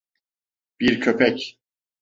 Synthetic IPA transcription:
b̥iɾcʰøpʰɛc

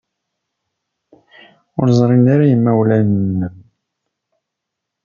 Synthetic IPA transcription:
ʊɾzˤɾˤind̪aɾajəmːæwlænənəm

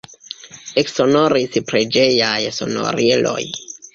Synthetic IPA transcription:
eksonoɾispɾed͡ʒe̞jajso̞̰no̰ɾelʔo̞̰j

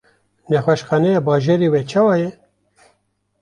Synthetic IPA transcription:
nɛxwɛʃxɑːnɛjɑːbɑːʒeɾiːwɛt͡ʃʰɑːwɑːjɛ

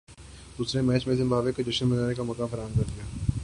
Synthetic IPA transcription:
d̪̥uːsɾemɛːt͡ʃmẽzɪ̃mbaːbekod͡ʒɐʃənbɐnaːnekamɔːkaːfɐɾaːɦəmkɐɾd̪ijaː

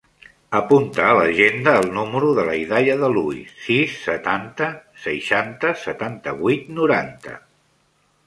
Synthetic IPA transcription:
əpunt̪əːləʒend̪əːlˠnuməɾuðələiðajəðəluisisːət̪ant̪əsəjʃant̪əsət̪ant̪əβujt̪nuɾant̪ə̰

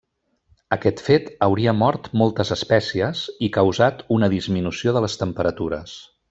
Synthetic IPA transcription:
əkɛt̪fet̪əwɾiəmɔɾt̪mɔlˠt̪əzəspɛsiəzikəwzat̪unəðizminusioðələst̪əmpəɾət̪uɾə̰s

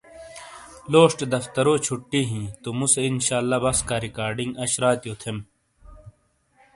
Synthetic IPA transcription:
loːʂʈd̪ɐft̪ɐɾoːt͡ɕʰuʈːiːɦĩːt̪omuseinɕaːlːaːbɐskaːɾikaːɾɖiŋɡɐɕɾaːt̪joːt̪ʰem

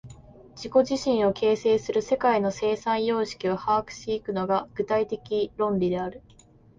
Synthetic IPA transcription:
d͡ʑiko̞ʑiɕĩɰ̃o̞kʰe̞ːse̞ːsɨɾɯ̟se̞kaino̞se̞ːsãɰ̃jo̞ːɕi̥kʲiohaːkɯ̟̥ɕiːkɯ̟no̞ɡaɡ̥ɯ̟t̪ait̪e̞kʲiɾõ̞nɾʲid̪e̞aɾɯ̟

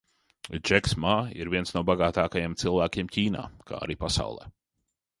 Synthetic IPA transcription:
d͡ʒɛksmaḭɾvʲiɛnsnuɔbaɡaːt̪aːkajeɛmt̪silˠvæːkʲiɛmciːna̰ːka̰ːa̰ɾiːpasa̰wlˠɛ̰ː

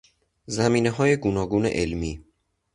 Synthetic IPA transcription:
zæmiːne̞ɦɒːje̞ɡunɒːɡuːnḛʔelmiː

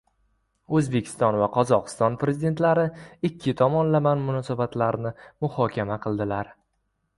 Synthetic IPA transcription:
ɵzbe̞kʲʰɪ̥st̪ɒnvaqʰɒzɒqɨ̥st̪ɒnpɾe̞zɪid̪e̞nt̪laɾɪɪkʲʰːɪt̪ʰɒmɒnlamanmʊnɒsabat̪ʰlaɾnɪmʊhɒkʲʰamaqʰɨlˠd̪ɪlaɾ

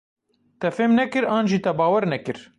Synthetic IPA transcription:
t̪ɛfeːmnɛkɨɾɑːnʒiːt̪ɛbɑːwɛɾnɛkɨɾ

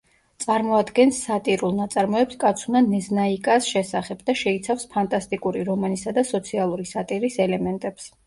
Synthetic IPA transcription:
t̪sʼaɾmɔad̪ɡɛnsːat̪ʼiɾulˠnat̪sʼaɾmɔɛpskʼat̪sʰunanɛznaikʼasʃɛsaχɛbd̪aʃɛit̪sʰafspʰant̪ʼast̪ʼikʼuɾiɾɔmanisad̪asɔt̪sʰialˠuɾisat̪ʼiɾisɛlɛmɛnt̪ʼɛps

